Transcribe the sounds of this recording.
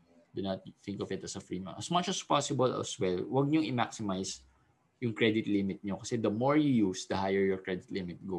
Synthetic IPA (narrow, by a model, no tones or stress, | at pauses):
d̪unɐt̪̚θɪ̃ŋkɔvɪt̪ɐsɐfɹimɐ̰ʔɐsmɐt͡ʃɐspasɪbɐlɐ̰swɛlwɐɡ̚ɲʊŋʔɪmaksɪmajs | jʊŋkɹɛd̪ɪt̪lɪmɪt̪̚ɲokɐsɛd̪ɐmɔɹjujusd̪ɐhajɛɹjɔɹkɹɛd̪ɪt̪lɪmɪt̪̚ɡo